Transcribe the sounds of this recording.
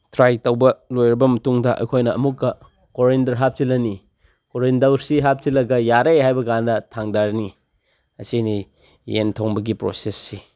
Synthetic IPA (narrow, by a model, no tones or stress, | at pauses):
tʰɾajtɐwbɐlojɾɐbɐmɐtuŋdɐʔɐ̰jkʰojnɐːmukːɐ | koɾendɐɾɦap̚tilɐni | koɾendɐwɾsiɦap̚tilɐɡɐjaɾeɦajbɐɡandɐtʰaŋdaɾni | ɐsini | jḛntʰoŋbɐɡipɾo̰sesːi